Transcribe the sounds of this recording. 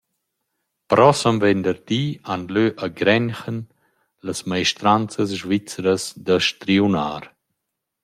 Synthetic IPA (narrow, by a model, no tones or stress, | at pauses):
pɾɔsəmvɛnd̪əɾd̪ianløʔaɡɾɛnxən | ləsmajʃt̪ɾant͡səs̬ʒvit͡sɾəsd̪əʃt̪ɾiunaːɾ